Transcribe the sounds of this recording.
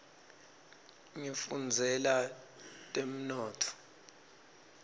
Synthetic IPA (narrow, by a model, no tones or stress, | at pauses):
ŋifund͡zʱɛlatʼem̩nɔːtʰɔ̥